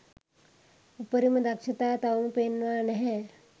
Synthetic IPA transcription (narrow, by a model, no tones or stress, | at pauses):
upəɾiməd̪akʂət̪at̪aunpenʋanɦe